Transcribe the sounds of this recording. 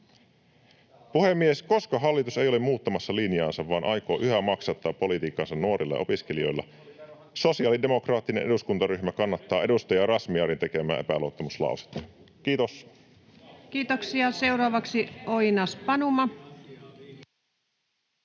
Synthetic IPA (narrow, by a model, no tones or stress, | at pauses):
puhe̞mːiesko̞skɑɦɑlːit̪use̞jolemuːt̪ːɑmɑsːɑlinjɑːnsɑʋʋɑːnʔɑjko̞ːʔyɦæmɑksɑt̪ːɑːpːo̞lit̪iːkːˑɑnsɑnnuoɾilːɑ̰ʔo̞piskelio̞̰jlːɑ̰ | so̞siɑːlide̞mo̞krɑːt̪ːine̞nʔe̞duskunt̪ɑɾyçmækɑnːɑt̪ːɑːe̞dust̪ɑjɑrɑsmiɑɾint̪e̞ke̞mæ̰ːepælot̪ːɑmuslɑ̰ˑuse̥t̪ːɑ̥ | kiːt̪os | kiːt̪oksiɑseurɑːʋɑksioinɑspɑnumɑ